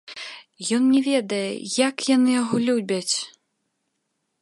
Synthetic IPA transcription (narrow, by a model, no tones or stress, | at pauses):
jɔnnʲɛvʲɛd̪ɐjɛ̰jakjanɨjaɣɔlʲubʲɐt͡sʲ